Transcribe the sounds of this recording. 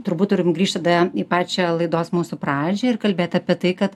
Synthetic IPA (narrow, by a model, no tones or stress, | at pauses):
t̪ʊɾbuːt̪t̪ːʊɾʲɪmɡɾʲiːʃt̪ɐd̪ɐipɑːt͡ʃʲɛlˠɐɪd̪oːsmuːsʊpɾɑːd͡ʒʲɛɪrkɐlʲbʲeːt̪ɐːpʲiɛt̪ɐɪkɐt̪